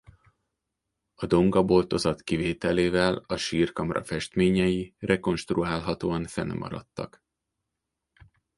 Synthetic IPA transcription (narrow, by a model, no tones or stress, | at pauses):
ɒd̪o̞ŋɡɒbo̞lt̪o̞zɒt̪kiveːt̪ɛleːvɛlɒʃiːrkɒmrʔɒ̰fɛʃt̪meːɲɛjirʔɛko̞nʃt̪ruaːlɦɒt̪oːɒɱfɛ̰nmɒ̰ɾɒ̰t̪ːɒk